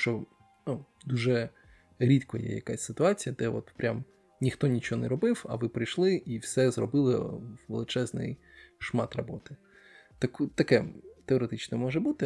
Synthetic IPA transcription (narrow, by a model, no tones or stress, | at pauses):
t͡ʃɔ | nu | d̪uʒɛ | ɾʲit̪kɔjɛ̰jɐ̰kasʲsɪt̪ʊɑt͡sʲijɐd̪ɛʋɔt̪pɾʲʔam | nʲixt̪ɔnʲit͡ʃoɔnɛɾɔbɪwɐ̰ʋɪpɾɪjʃlˠɪʔiwsɛzrɔbɪlˠɪwʋelˠɪt͡ʃɛznɪ̰j | ʃmɑt̪rɐbɔt̪ɪ | t̪ɐkt̪ɐkɛt̪eɔɾet̪ɪt͡ʃnɛmɔʒɛbut̪ɪ